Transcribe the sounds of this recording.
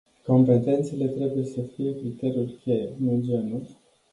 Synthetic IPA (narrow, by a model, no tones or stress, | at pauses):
ko̞mpe̞t̪e̞nt̪se̞le̞t̪ɾe̞buje̞səfije̞kɾit̪e̞ɾʲijulkʲejnud͡ʒe̞nu